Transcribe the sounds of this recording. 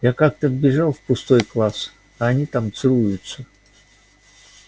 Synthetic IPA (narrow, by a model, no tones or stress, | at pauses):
jakak̚t̪əvbʲɪʐalˠfpʊst̪o̞jklˠas | ɐɐnʲit̪amt̪sɨlˠujʊt̪sə